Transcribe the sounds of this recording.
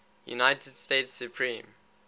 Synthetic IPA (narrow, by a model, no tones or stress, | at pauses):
jṵnaɪtʰəd̥stetsːjupʰɹĩːm